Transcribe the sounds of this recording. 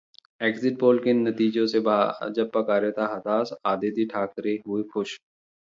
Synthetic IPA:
ɛːksɪʈ̚boːlkenɐt̪iːd͡ʒõsebad͡ʒɐb̚pɐkaːɾjet̪aɦɐt̪aːsaːd̪eːt̪iʈʰaːkɾeɦʊexʊʃ

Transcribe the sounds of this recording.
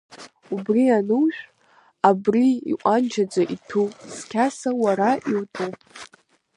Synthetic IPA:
ubrianɨwʃʷᶣ | abriḭqʷʼand͡ʒad͡zʷaʔitʰuskʲʰasawaɾaiwtʼupʼ

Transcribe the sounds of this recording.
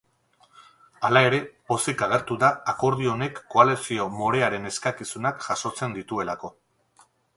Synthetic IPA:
alae̞ɾe̞po̞sikaɣ̞e̞ɾt̪uðaːko̞ɾð̞io̞ne̞kːo̞ale̞sio̞mo̞ɾe̞aɾe̞ne̞skakisunakʝaso̞t͡se̞nd̪it̪ue̞lako̞

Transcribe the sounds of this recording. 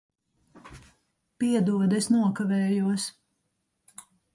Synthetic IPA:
piɛd̪uɔd̪esnuɔkavɛːjuɔs

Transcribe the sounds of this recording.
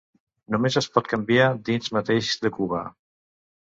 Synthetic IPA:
numezəspɔt̪̚kambiad̪inzmat̪eʃzðəkuβa̰

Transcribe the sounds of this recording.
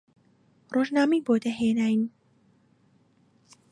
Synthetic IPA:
roʒnaːmiboːd̪ɐɦeːnaːjn

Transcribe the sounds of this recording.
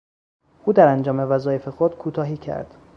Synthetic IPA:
ʔuːd̪æɾænd͡ʒɒːmevæzɒːje̞fe̞xod̪̥kʰuːt̪ʰɒːɦiːcʰæ̰ɾd̪̥

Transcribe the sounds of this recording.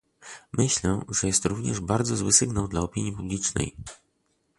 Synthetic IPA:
mɘɕlɛʐɛjɛst̪ɾuvɲɛ̰ʐbaɾd̪zɔzwɘsɘɡnawd̪laɔpʲiɲjipublʲit͡ʂnɛ̰j

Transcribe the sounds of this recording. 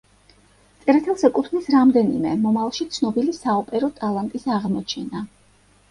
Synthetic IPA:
t̪sʼɛɾɛt̪ʰɛlˠsɛkʼut̪ʰvnisɾamd̪ɛnḭmɛmɔmavlˠʃit̪sʰnɔbilisaɔpʼɛɾɔt̪ʼalˠant̪ʼisaʁmɔt͡ʃʰɛna

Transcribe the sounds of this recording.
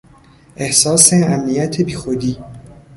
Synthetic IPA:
ʔe̞hsɒːseæmnijæt̪ʰebiːxod̪iː

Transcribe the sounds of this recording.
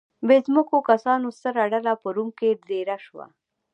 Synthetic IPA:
bezməkokasɑnost̪əɾaɖalapəɾumked̪eɾaʃwa̰

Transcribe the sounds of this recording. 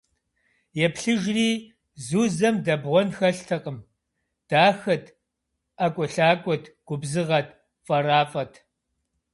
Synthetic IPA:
jɛpɬɨʒriː | zuːzɐmdɐbʁʷɔnxɐɬtʰɐqʼəm | d̥aːxɐtʰ | ʔɐkʷʼɔɬaːkʷʼɔtʰɡ̥ʷʊbzɨʁɐt̚ʰ | fʼɐraːfʼɐtʰ

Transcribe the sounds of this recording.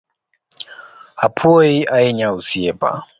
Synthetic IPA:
apʰuoiʔaɛɲausiɛpa̰

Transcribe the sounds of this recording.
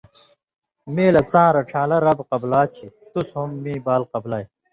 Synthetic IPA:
meːlɐt͡sãːɾɐʈ͡ʂʰãːlɐɾɐbqɐblaːt͡ɕʰit̪ushumːĩːbaːlqɐblaːj

